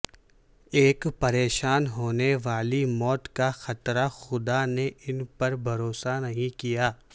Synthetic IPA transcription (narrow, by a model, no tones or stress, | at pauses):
eːkpɐɾeːʃaːnɦoːneʋaːlimɔːt̪kaxɐt̪ɾaxʊd̪aneʔɪnpɐɾbʱɐɾoːsanɐɦĩkijaː